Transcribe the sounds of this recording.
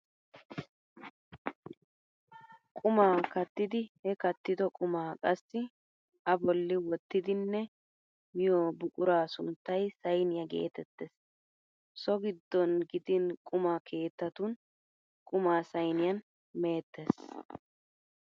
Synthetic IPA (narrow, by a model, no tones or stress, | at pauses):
kʼʊmaːkɐt̪ːɪd̪ɪhɛkɐt̪ːɪd̪ɔkʼʊmaːkʼɐsːɪ | ʔɐbɔlːɪwɔt̪ːɪd̪ɪnːɛ | mɪjoːbʊkʼʊɾaːsʊnt̪ːɐjsɐjnɪjɐɡḛːt̪ɛt̪ːes | sɔɡɪd̪ːɔnɡɪd̪ɪnkʼʊmaːkʰe̞ːt̪ːɐt̪ʊn | kʼʊmaːsɐjnɪjɐn | me̞ːt̪ːes